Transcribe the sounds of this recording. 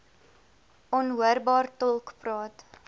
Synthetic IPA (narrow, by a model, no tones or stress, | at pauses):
ɔnɦuərbɑːrtɔlˠkprɑːt